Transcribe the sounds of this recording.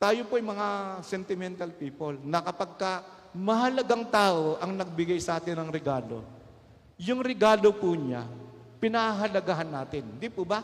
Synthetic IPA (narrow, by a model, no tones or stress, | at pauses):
t̪aːjopoʔɐjmɐŋasɛnt̪ɪmɛnt̪ɐlpiːpolnɐkɐpɐɡ̚kɐ | mɐɦɐlɐɡaŋt̪aːʔoʔɐŋnɐɡ̚bɪɡajsɐʔaːt̪ɪnɐŋɾɛɡaːlo̞̰ | jʊŋɾɛɡaːlopuːɲa̰ | pɪnahaɦɐlɐɡaɦɐnːaːt̪ɪnd̪ipuːbɐ